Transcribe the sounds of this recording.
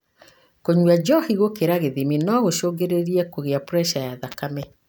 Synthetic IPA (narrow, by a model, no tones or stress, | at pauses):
koɲwad͡ʒɔhiɣokeɾaɣeðiminɔɣoʃoɡeɾeɾiɛkoɣeapɾɛʃajaðakamɛ